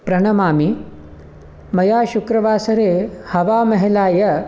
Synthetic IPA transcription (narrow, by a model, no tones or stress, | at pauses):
pɾɐɳɐmaːmi | mɐjaːʃukɾɐʋaːsɐɾeːhɐʋaːmɐɦilaːjɐ